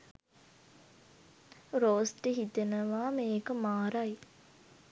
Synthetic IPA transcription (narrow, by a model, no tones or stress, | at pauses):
ɾoːsʈeɦit̪enəʋaːmeːkəmaːɾaj